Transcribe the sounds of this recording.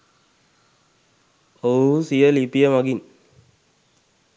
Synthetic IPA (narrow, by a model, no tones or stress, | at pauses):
osijəlipijəmaɡin